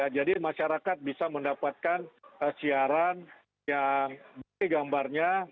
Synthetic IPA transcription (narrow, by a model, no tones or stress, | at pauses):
jad͡ʒadimaʃaɾakat̪̚bisaməndapat̪̚kanəsiaɾan | jaŋbjɡambarɲa